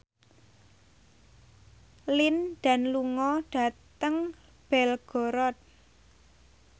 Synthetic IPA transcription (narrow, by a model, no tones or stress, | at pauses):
lɪnɖ̥a̤nluŋɔɖ̥a̤tt̪əŋ | b̥ɛlɡ̥ɔ̤ɾɔt̪̚